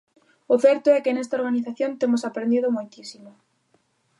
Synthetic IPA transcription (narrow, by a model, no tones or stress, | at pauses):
ʊθɛɾt̪oɛkɪnɛst̪aoɾɣ̞aniθaθjont̪emosapɾend̪iðʊmojt̪isimʊ